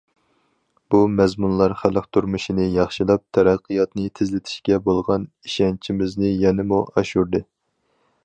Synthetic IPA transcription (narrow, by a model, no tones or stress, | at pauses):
b̥umɛzmunlˠɑɾχælˠəqt̪ʰuɾmuʃinɨjɑχʃilˠɑp̚t̪ʰɛɾɑqʰːɨjɑt̪nɨt̪ʰɪzlɪt̪ʰɪ̥ʃkʲɛbolˠʁɑn | iʃɛnt͡ʃʰimɪznɪjɛnɪmuʔɑʃuɾd̪ɨ